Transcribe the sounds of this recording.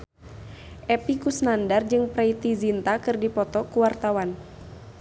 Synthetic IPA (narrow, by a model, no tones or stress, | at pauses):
ʔɛpikusnandard͡ʒɨŋpɾɛit̪izint̪akɨrdipɔt̪ɔkuwart̪awan